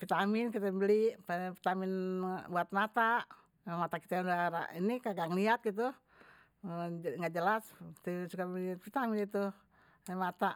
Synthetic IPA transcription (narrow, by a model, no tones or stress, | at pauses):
fit̪amɪnkit̪ɛmbəliʔpəfi̥t̪amɪnbuat̪̚mat̪aʔ | amat̪aki̥t̪ɛudaɾa̰inikaɡaŋliat̪̚ɡit̪̬u | ŋɡaʔd͡ʒəlasi̥t̪ɛsukalit̪fit̪amɪnit̪u | mat̪aʔ